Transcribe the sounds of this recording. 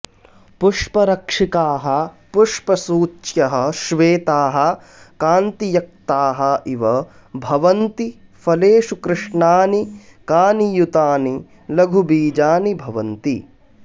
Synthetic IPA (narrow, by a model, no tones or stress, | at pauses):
puʂpɐɾɐkʂikaːɦɐ | puʂpɐsuːt͡ʃjɐɦɐ̆ʃʋeːt̪aːɦɐ̆ | kaːnt̪ijɐk̚t̪aːɦɐ̆ʔiʋɐ | bʱɐʋɐnt̪i | fʰɐleːʃukɾɪʂɳaːnikaːnijut̪aːni | lɐɡʱubiːd͡ʒaːnibʱɐʋɐnt̪ḭ